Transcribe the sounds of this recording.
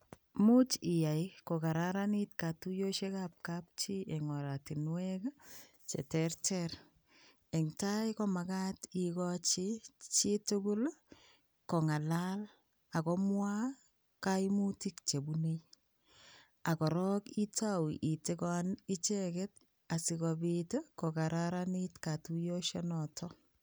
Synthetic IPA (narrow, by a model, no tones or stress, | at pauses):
mut͡ʃɪjajkokaɾaɾanit̚katujoʃekap̚kap̚t͡ʃiʔeŋɔɾatinwɛka | t͡ʃḛtɛɾtɛɾ | eŋtajkɔmakatikɔt͡ʃɪt͡ʃɪtʊkʊl | kɔŋalal | akɔmwa | kamutikt͡ʃebunej | akɔɾɔkitawiʔitikɔnit͡ʃeket̚ | asɪkɔbitekokaɾaɾanitkatujoʃenɔtʰɔ